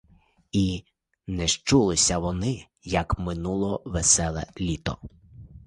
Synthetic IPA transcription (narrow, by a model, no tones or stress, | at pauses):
i | nɛʃt͡ʃulˠɪsʲɐʋɔnɪ | jɐkmɪnulˠɔʋɛsɛlˠɛ̰lʲit̪ɔ̰